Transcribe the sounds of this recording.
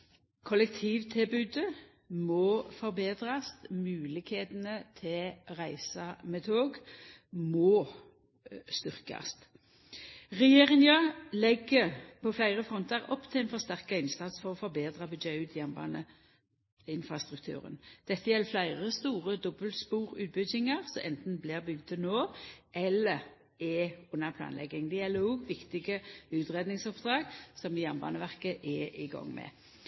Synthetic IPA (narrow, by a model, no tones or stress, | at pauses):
kʰɔlɛkt̪ʰiːʋt̪ʰɪlbʉːd̪ə | mɔːfɔʁbeːd̪ʁɑst̪mʉːlɪkheːt̪ənət̪ʰɪlʁæɪsɑmɛt̪ʰoːɡ | mɔː | st̪ʏʁkɑ̰st̪ | ʁɛjeːʁɪŋəlɛɡːəpʰɔflæɪʁəfʁɔnt̪əʁɔpːt̪ʰɪlɛɪnfɔʁst̪æʁkɑɪnsɑt̪sfɔʁɔfɔʁbeːd̪ʁɑbʉd̪d͡ʒɛʉːt̪ʰjɛnbɑ̰ːnə̰ | ɪnfʁɑst̪ʁʉk̚t̪ʰʉ̰ːʁə̰nd̪̥ɛt̪ːəjɛlːflæɪʁəst̪uːʁəd̪ɔbəlt̪spuːʁʉːt̪̚bʏdɪŋɑʁsɔʔɛnt̪n̩blɪʁbʏɡd̪ʰənoːʔɛlːəʁ | ɛʊnːəpʰlɑ̰ːnlɛ̰ɡɪŋd̪ɛjɛlːəɾɔːɡʋɪkt̪ɪɡəʉːt̪ʁeːd̪nɪŋsɔpd̪ʁɑːɡsɔmɪjɑmbɑ̰ːnəʋæʁkəʔɛʔɪɡɑ̰ŋːmɛ̰